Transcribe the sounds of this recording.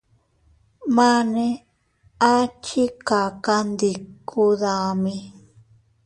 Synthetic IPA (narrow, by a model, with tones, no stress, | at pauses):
mã˦nẽ˧ | a˦t͡ʃi˦ka˨ka˧nd̪i˧kʰu˧ða˧mĩ˧